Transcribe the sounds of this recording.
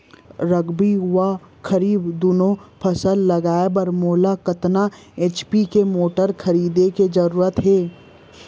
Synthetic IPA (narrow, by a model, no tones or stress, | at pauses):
ɾɐɡbiɦʊwa | kʰɐɾiːbd̪uːnõpʰɐsəlːɐɡaːebɐɾmoːlakɐt̪na | eːt͡ʃpikemoːʈəɾkʰɐɾiːd̪eked͡ʒɐɾuːɾət̪ɦeː